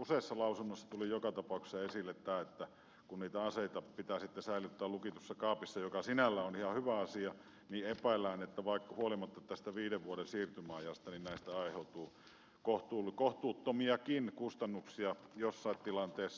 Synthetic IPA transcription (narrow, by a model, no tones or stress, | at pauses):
useˑisːɑlɑˑusunːosːɑ̥t̪ulijokɑt̪ɑpɑˑukse̥sɑesilːet̪t̪æːet̪ːæ | kunniːt̪æɑseˑit̪ɑpit̪æːsit̪ːæsæˑilyt̪ːæːllukit̪uosːɑkɑːpisːɑjokɑsinælːæonihɑhyʋæɑsiɑ | niːepæˑelːˑæˑːnet̪ːæʋɑˑikːɑhuolimɑt̪ːɑt̪æst̪æʋiːdeʋʋuoɾensiːrt̪ymɑˑijɑst̪ɑninnæˑist̪æɑˑiheˑut̪uː | koht̪uːlkoht̪uːt̪ːomiɑkinkust̪ɑnːuksiɑjosːɑˑit̪t̪ilɑnt̪eːsːɑ